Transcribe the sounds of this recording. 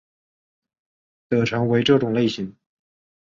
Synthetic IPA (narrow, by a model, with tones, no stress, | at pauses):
t̪ɤ˨˩ʈ͡ʂʰɤ˧˥ŋwe˧˥ɪʈ͡ʂɤ˥˩ʈ͡ʂʊ˨˩ŋle˥˩ɪɕi˧˥ŋ